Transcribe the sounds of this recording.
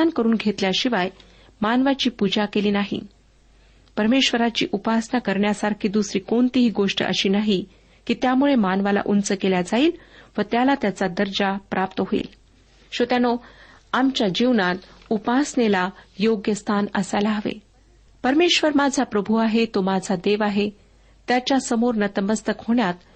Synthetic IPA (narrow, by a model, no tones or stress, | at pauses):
ankəɾuːnɡʱet̪ljaɕiʋaj | manʋat͡ɕiːpud͡ʑakeliːnaɦḭ | pəɾmeɕʋəɾat͡ɕḭːʔupasnakəɾɳjasaɾkʰiːd̪usɾiːkont̪iɦiːɡoʂʈə̰ʔə̰ɕiːnaɦi | kiːt̪jamuɭemanʋala̰ʔunt͡səkeljad͡zaiːlʋət̪jalat̪jat͡sad̪əɾd͡ʑapɾʔap̚t̪əɦoḭːl | ɕot̪jano | amt͡ɕjad͡ʑiʋɳat̪upasɳelajoɡjəst̪ʰanə̰sajlaɦəʋḛ | pəɾmeɕʋəɾmad͡zʱapɾəbʱuaɦet̪omad͡zʱad̪eʋaɦe | t̪jat͡ɕjasəmoɾnət̪əməst̪əkɦoɳjat̪